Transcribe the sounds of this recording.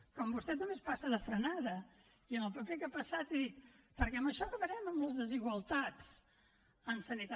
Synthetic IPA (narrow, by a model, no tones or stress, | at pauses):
kɔmbust̪ɛt̪numespasəðəfɾənaðə | iənəlˠpəpekapəsat̪iðit̪̚pəɾkɛəməʃɔkəβəɾɛməmləzðəziɣwəlˠt̪at͡s | ənsənit̪a